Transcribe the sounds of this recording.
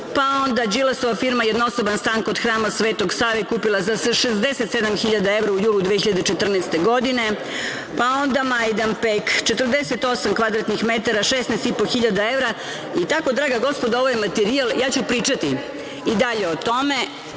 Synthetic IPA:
pao̞nd̪ad͡ʒilasoʋafiɾmajed̪naosobanst̪aːŋkod̪xɾaːmasʋeːt̪o̞ɡsaːʋekuːpilˠazasaʃezd̪eset̪sed̪amxiʎad̪aevɾaujuːlˠud̪ʋeçiʎad̪et͡ʃet̪r̩nɛst̪eɡo̞d̪ine̞ | pao̞nd̪amajd̪anpekt͡ʃet̪r̩d̪eset̪o̞samkʋad̪ɾat̪nixmet̪aɾaʃesnɛst̪ipo̞xiʎad̪ae̞vɾa | it̪ako̞d̪ɾaːɡaɡo̞spod̪aoʋajmat̪eɾialˠjaːt͡ɕupɾiːt͡ʂat̪i | id̪aʎe̞ot̪o̞me

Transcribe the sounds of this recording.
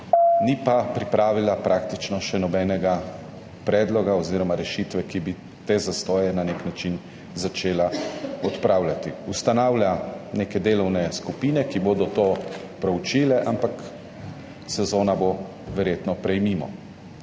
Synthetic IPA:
nipapɾipɾaːʋilapɾaːkt̪it͡ʃnɔʃɛnɔbɛːnɛɡa | pɾɛːd̪lɔɡaoziːɾɔmaɾɛʃit̪ʋɛkibi | t̪ezast̪ɔːjɛnaneknat͡ʃin | zat͡ʃeːlaɔt̪pɾawlʲjat̪ḭust̪anawlʲaneːkɛd̪eːlɔwnɛskupiːnɛkiboːd̪ɔt̪oː | pɾɛwt͡ʃiːlɛʔampak | sɛzoːnabo | ʋɛɾjeːt̪nɔpɾɛjmiːmɔ̰

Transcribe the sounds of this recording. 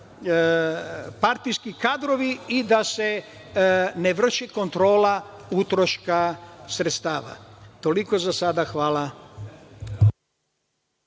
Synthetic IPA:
paɾt̪ijskikaːd̪ɾo̞ʋiid̪ase | neʋr̩ʃeko̞nt̪ɾo̞ːla | ut̪ɾoʃkasɾet̪st̪aːʋa̰t̪o̞liko̞zasad̪axʋaːla

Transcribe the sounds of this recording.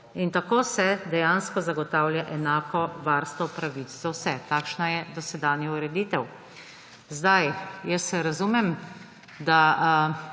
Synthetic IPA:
int̪akoːsɛd̪ɛjanskɔzaɡɔt̪aːwlʲjaʔɛnaːkɔʋaɾst̪ʋɔpɾaʋiːszawsɛt̪aːkʃnajɛd̪ɔsɛd̪aːnjɛuɾɛd̪iːt̪ɛw | zd̪ajjəsɛɾazumɛm | d̪a

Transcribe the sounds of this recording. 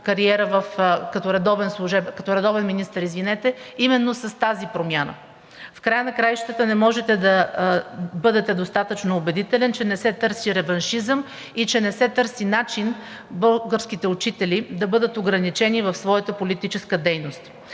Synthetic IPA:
kɐɾiɛɾəvəfkɐt̪ɔɾɛd̪ɔvɛnslˠuʒɛbkɐt̪ɔɾɛd̪ɔvɛnminist̪əɾizvinɛt̪ɛimɛnːosɐst̪azipɾomʲjanə̰ | fkɾajənɐkɾajʃt̪ət̪ənɛmɔʒɛt̪ɛd̪ɐ | bɤd̪ɛt̪ɛd̪ost̪at̪ət͡ʃnoːbɛd̪it̪ɛlɛnt͡ʃɛnɛsɛt̪ɤɾsiɾɛvɐnʃizəm | it͡ʃɛnɛsɛt̪ɤɾsinat͡ʃin | bɤlˠɡəɾsk̟it̪ɛut͡ʃit̪ɛlid̪ɐbɤd̪ət̪oɡɾɐnit͡ʃɛnivɐfsvɔjət̪əpolit̪it͡ʃɛskəd̪ɛjnost̪

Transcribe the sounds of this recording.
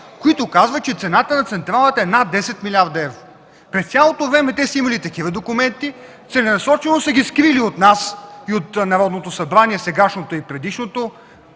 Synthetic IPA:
koit̪okazvət͡ʃɛt̪sɛnat̪ənɐt̪sɛnt̪ɾalˠət̪ɛnad̪ːɛsɛt̪milʲaɾd̪ɐɛvɾo | pɾɛst̪sʲalˠot̪ovɾɛmɛt̪ɛsəimɐlit̪ɐkivəd̪okʊmɛnt̪i | t̪sɛnɛnɐsɔt͡ʃɛlˠosəɡʲiskɾiliot̪nasiot̪nɐɾɔd̪not̪osɐbɾaniɛsɛɡaʃnot̪oipɾɛd̪iʃnot̪o

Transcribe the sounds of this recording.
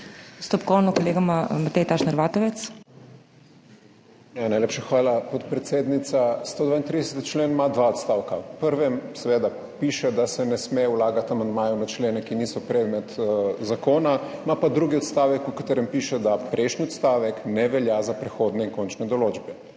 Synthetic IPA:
st̪ɔpkɔwnɔkoleːɡamamat̪ɛjt̪aʃnɐɾʋaːt̪ɔʋɛt̪s | janajlepʃaxʋaːlapɔt̪pɾɛt̪seːd̪nit̪sast̪oːd̪ʋaːint̪ɾid̪ɛsɛt̪i̥t͡ʃleːnmad̪ʋaɔt̪st̪awkapəɾʋɛmsɛʋeːd̪a | piʃɛd̪asɛnɛsmewlaɡat̪amand̪maːjunat͡ʃleːnɛkinisɔpɾɛːd̪mɛt̪zakoːnamapad̪ɾuɡiɔt̪st̪aːʋɛkukat̪eɾɛmpiːʃɛd̪apɾʔɛjʃniɔt̪st̪aːʋɛknɛʋɛljazapɾɛxod̪nɛiŋkont͡ʃnɛd̪ɔloːd͡ʒbɛ

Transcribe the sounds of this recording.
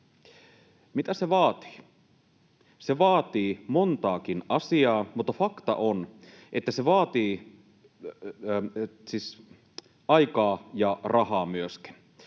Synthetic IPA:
mit̪æseʋɑːt̪i̥ː | se̞ʋɑːt̪iːmont̪ɑːkinɑsiɑːmut̪ːɑfɑkt̪ɑ̰ʔon | ʔet̪ːæseʋɑːt̪iː | siːs | ɑjkɑːjɑrʔɑhɑːmyøski̥n

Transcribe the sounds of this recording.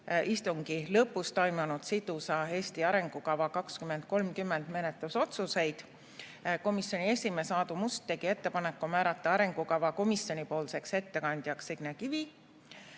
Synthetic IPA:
ʔist̪uŋɡ̥ilɤpːˑust̪ojmɑnud̪sid̪̥usɑe̞ːsʲt̪iɑɾe̞ŋɡ̥ukɑvɑkɑkskyme̞nd̪̥̚ko̞lmkymːend̪̥me̞net̪luso̞t̪suse̞jd̪̥ | ko̞misjo̞nie̞sʲime̞sɑːd̪umust̪ːe̞ɡ̥ie̞t̪ːe̞pɑne̞kːumæːɾɑt̪ːˑɑɑɾe̞ŋɡ̥ukɑvɑko̞misjo̞nʲipo̞ːlse̞kse̞t̪ːe̞kɑnd̪̥jɑksiɡ̥nekivi

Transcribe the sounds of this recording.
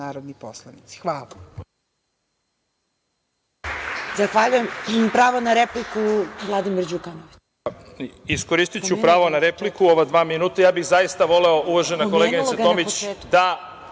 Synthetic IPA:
aːɾod̪niposlˠanit̪si̥xʋaːla | zaxʋaʎujemipɾaːʋonaɾeplikuvlˠad̪imiɾd͡ʑukanoʋi | isko̞ɾist̪it͡ɕupɾaːʋonaɾeplikuo̞ʋad̪ʋaːminuːt̪ajaːbiɣzaist̪aʋo̞leo̞ʔuʋaʒenako̞leɡeneat̪omit͡ɕːd̪a

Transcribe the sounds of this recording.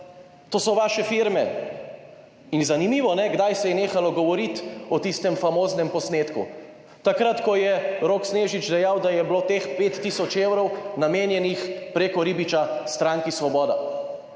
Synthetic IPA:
t̪oːsɔʋaːʃɛfiɾmɛ | inzanimiːʋɔnɛɡd̪ajsɛjɛneːxalɔɡɔʋɔɾit̪ɔt̪ist̪ɛmfamoːznɛmpɔsneːt̪kṵ | t̪akɾat̪kɔjɛɾoːksneːʒit͡ʃd̪ɛjawd̪ajɛbloːt̪eːxpeːt̪ːisɔt͡ʃewɾɔwnameːnjɛnixpɾeːkɔɾiːbit͡ʃast̪ɾaŋkisʋɔbɔːd̪a

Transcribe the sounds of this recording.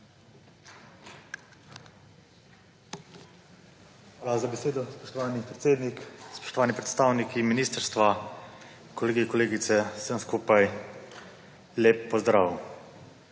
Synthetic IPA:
xxʋaːlazabɛseːd̪ɔspɔʃt̪ɔʋaːnipɾɛt̪seːd̪nikspɔ̥ʃt̪ɔʋaːnipɾɛt̪st̪aːwnikiminiːst̪əɾst̪ʋa | kɔleːɡikɔleːɡit̪sɛsəmskuːpaj | leːpːɔzd̪ɾa̰ːʋw

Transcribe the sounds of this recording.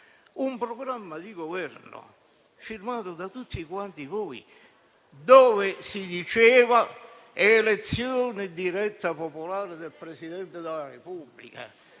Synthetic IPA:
umpɾoɡɾamːad̪iɡovɛrnʊ̰ | firmaːt̪ʊd̪at̪ut̪ːikwant̪ivɔj̰ | d̪oːvɪsid̪it͡ʃɛːva | elet̪sːjoːnɪd̪iɾɛt̪ːapopolaːɾɪd̪elpɾesid̪ɛnt̪ɪd̪elarepubːlḭka̰

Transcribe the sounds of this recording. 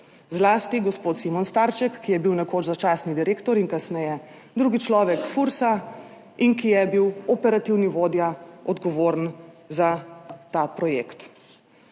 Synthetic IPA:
zlaːst̪iɡɔspoːt̪simɔnst̪aːɾt͡ʃɛkːijɛbiwnɛkoːt͡ʃzat͡ʃaːsnid̪iɾeːkt̪ɔɾinkasnɛjɛ | d̪ɾuːɡit͡ʃlɔːʋɛkfuɾsa | inkijɛbiwɔpɛɾat̪iwniʋoːd̪jaɔd̪ɡɔʋoːɾnzat̪aːpɾɔjekt̪

